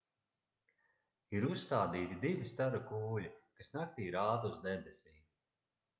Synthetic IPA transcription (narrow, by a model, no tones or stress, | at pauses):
iɾusst̪aːd̪iːt̪id̪ivist̪aɾukuːlʲikasnak̚t̪iːɾaːd̪uzd̪ebesʲiː